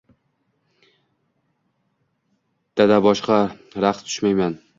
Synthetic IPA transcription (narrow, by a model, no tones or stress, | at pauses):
t̪ad̪abɒʃqɑɾaqt̪t̪ʰʊ̥ʃmajman